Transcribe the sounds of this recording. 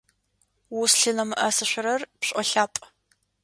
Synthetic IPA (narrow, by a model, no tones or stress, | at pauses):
wusɬɨnɐmɨʔɐsɨɕʷɪɾɐrpɕʼɔɬaːpʼ